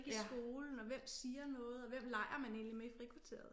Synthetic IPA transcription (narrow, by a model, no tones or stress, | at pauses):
ɡ̥isɡ̥o̝ːln̩ɒ̽ʋem̰siːɐnɔ̽ːð̞̩ˠɒ̽ʋem̰lɑ̈ɪ̰ɐmæne̝̰ːnlimeifʁikʰʋut͡sʰe̝̰ːɐðˠ